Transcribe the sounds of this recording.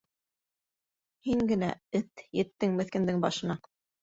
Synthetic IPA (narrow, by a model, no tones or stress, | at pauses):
hiŋɡɘ̆næ̰ɘt̪jɘ̆t̪ːɘŋmɘ̆θkɘ̆nd̪ɘŋbɑʃɤ̆nɑ